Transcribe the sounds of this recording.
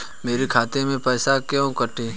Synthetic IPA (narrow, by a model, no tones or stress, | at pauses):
meːɾikʰaːt̪emẽpɛːsakjõkəʈʰẽː